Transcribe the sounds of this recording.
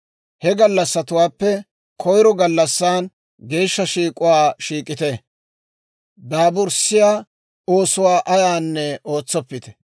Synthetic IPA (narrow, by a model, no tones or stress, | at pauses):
hɛɡɐlːɐsːɐt̪ʊwaːpːɛ | kʰɔjɾɔɡɐlːɐsːaːn | ɡe̞ːʃːɐʃiːkʼʊwaːʃiːkʼːɪt̪e | d̪aːbʊɾsɪjaː | o̞ːsʊwaːʔɐjaːnːɛo̞ːt͡sːɔpːɪt̪ɛ̥